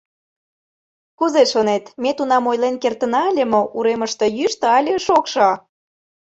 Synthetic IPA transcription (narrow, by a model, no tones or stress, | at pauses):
kuzeʃonet̪met̪unɑmojlenkert̪ə̆nɑəlʲəmoʔuɾeməʃt̪ɤ̆jyʃt̪ɤɑlʲeʃokʃɑ